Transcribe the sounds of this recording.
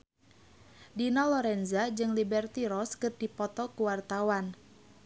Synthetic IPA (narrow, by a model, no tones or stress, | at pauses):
dinɔlɔɾɛnzad͡ʒɨŋlibɛrt̪iɾɔskɨrdipɔt̪ɔkuwart̪awan